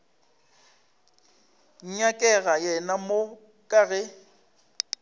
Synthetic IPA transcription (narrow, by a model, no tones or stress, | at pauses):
ɲ̩ɲakʼɛɣajɛnamo | kʼaɣɛ